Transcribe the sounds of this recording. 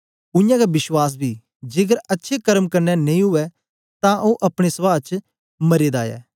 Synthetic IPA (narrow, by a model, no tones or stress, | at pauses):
ʊ̃jãːkabɪʃwaːs̬biː | d͡ʒeːɡəɾɐtːʃʰeːkəɾəmkəɾnɛnɐĩɦʊɛː | t̪ãːʔoːʔɐpɽ̃esəʋaːt͡ʃ | mɐɾeːd̪aːja̰ː